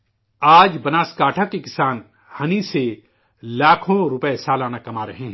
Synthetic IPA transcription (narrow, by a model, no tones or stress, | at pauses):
aːd͡ʒbɐnaːskaːʈʰakekɪsaːn | hɐnise | laːkʰõɾʊpəesaːlaːnakɐmaːɾɐ̰ɦẽːɦ